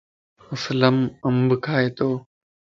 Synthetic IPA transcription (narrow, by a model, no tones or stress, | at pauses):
ʊsləməmbkʰaːeːt̪oː